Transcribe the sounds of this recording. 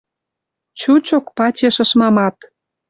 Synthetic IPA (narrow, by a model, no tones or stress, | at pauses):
t͡ɕut͡ɕokpɑt͡ɕeʃə̆ʃmɑmɑt̪